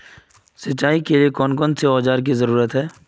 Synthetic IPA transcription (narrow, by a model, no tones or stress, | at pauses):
sɐtːaːikeliekɔːnkɔːnseɔːd͡ʒaːɾk̬izɐɾuːɾət̪ɦɛː